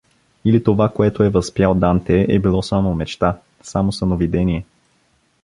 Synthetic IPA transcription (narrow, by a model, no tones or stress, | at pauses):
ilit̪ovakoɛt̪oɛvɐspjalˠd̪ant̪ɛʔɛbilˠɔsamomɛt͡ʃt̪a | samosɐnovid̪ɛniɛ